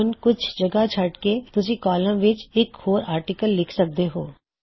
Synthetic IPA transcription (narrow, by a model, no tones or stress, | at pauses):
ʊnkʊt͡ʃʰd͡ʒɐɡat͡ʃʰɐʈket̪ʊs̬ĩkɔːlə̃mʋɪt͡ʃɪkhoːɾaːɾʈikəlːɪkʰsɐk̚d̪eɦoː